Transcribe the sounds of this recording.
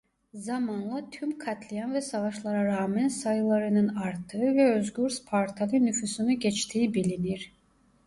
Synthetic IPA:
zamanlˠat̪ʰymkʰat̪ʰlʲijanvɛsavaʃlˠaɾaɾaːmɛnsajlˠaɾɯnɯnaɾt̪ʰɯɯvɛøzɡyɾspʰaɾt̪ʰalʲynyfysynyɟɛt͡ʃt̪ʰiːibilʲiniɾ̥

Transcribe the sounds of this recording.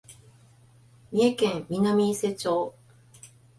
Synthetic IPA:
mʲiekẽmːʲinamʲise̞t͡ɕo̞ː

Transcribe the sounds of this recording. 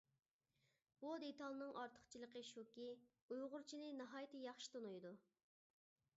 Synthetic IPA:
b̥ud̪et̪ʰɑlˠnɨŋʔɑɾt̪ʰə̥χt͡ʃʰilˠəqʰəʃukʲi | ujʁʊɾt͡ʃʰinɪnɨɦɑːjt̪ʰɨjɑχʃi̥t̪ʰonujd̪u

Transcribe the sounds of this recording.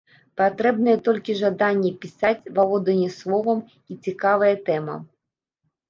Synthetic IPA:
pat̪ɾɛbnɐjɛt̪ɔlʲkʲiʐad̪anʲːɛpʲisat͡sʲvalˠɔd̪ɐnʲɛslˠɔvɐm | it͡sʲikavɐjɛt̪ɛmɐ̰

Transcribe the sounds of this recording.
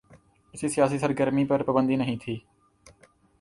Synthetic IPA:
ɪsiːsɪjaːsiːsəɾɡəɾmiːpəɾpəbə̃nd̪iːnəɦĩːt̪ʰiː

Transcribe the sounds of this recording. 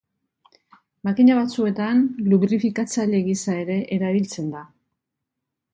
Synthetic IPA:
makiɲaβat͡sue̞t̪anluβɾifikat͡saʎe̞ɣisae̞ɾe̞ʔeɾaβilt͡se̞nd̪a

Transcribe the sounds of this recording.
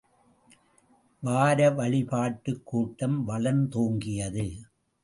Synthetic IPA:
ʋaːɾɐʋɐɭɪpaːʈːɯkːuːʈːɐmʋɐɭɐnt̪oːŋɡɪjɐðɯ

